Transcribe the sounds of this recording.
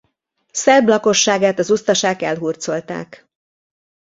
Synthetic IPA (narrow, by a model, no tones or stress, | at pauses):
sɛrblɒko̞ʃːaːɡaːt̪ɒzust̪ɒʃaːkɛ̰lɦurt̪so̞lt̪a̰ːk